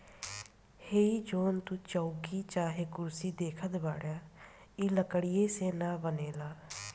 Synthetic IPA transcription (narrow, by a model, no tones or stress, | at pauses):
heːiːd͡ʒoːnt̪uːt͡ʃəukiːt͡ʃaːɦeːkʊɾsiːd̪eːkʰət̪baːɽjaː | iːləkəɽijeːseːnãːbəneːlaː